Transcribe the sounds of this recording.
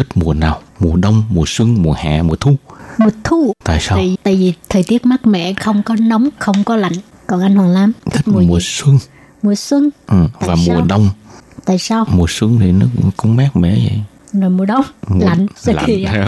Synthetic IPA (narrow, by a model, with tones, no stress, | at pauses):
t̪ʰï˦˥t̚mu˨˩ənaː˨˩wmu˨˩əɗə˧wŋ͡mmu˨˩əswɨ˧ŋmu˨˩əha̰ː˨˩mu˨˩t̪ʰu˧˩mu˨˩ət̪ʰu˧t̪a̰ː˧˨jsaː˧wt̪a̰ː˧˨jvi˨˩t̪ʰəː˨˩jt̪i˦˥ət̚maː˦˥t̚mɛ̰˧˨xə˧wŋ͡mkɔ˨˦nə˨˦wŋ͡mxə˧wŋ͡mkɔ˨˦la̰˧˨jŋ̟ | kɔ˨˩nʔa˧jŋ̟hwaː˨˩ŋlaː˨˦mt̪ʰi˦˥m˩mu˨˩əswɨ˧ŋ | mu˨˩əswə˧ŋʔɨ˨˩aːvaː˨˩˨muː˨˩ə˩ɗə˧wŋ͡mt̪a̰ː˧˨jsaː˧wmu˨˩əswɨ˧ŋt̪ʰi˨˩nɔ˨˦kʊ˨˧˦ŋ͡mmaː˦˥k̚mɛ̰˧˨zə̰˧˨j | zo˨˩jmu˨˩əɗə˧wŋ͡mla̰˧˨jŋ̟a˧li˨˩˧